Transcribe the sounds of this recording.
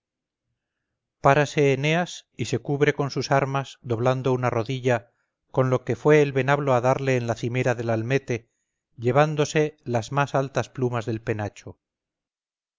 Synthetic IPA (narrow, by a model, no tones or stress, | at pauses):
paɾase̞ːne̞asise̞kuβɾe̞ko̞nsusaɾmazd̪o̞βland̪o̞unaro̞ðiʎa | ko̞nlo̞ke̞fwe̞ːlβe̞naβlo̞aðaɾle̞ːnlaθime̞ɾaðe̞lalme̞t̪e̞ | ʝeβ̞and̪o̞se̞lazmasalt̪asplumazðe̞lpe̞nat͡ʃo